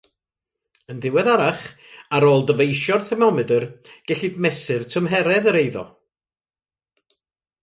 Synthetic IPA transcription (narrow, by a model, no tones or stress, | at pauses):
ənðɪwɛðaɾaχ | aɾoːlˠdəvejʃɔrtʰɛmɔmɨdərɡ̥ɛɬɨdmɛsɨrtʰəmɦɛɾɛðəɾejðɔ̰